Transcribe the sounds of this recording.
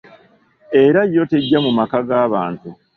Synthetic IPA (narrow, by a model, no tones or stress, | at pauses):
e̞ɾajːo̞te̞ɟːamumakaɡaːβaːntu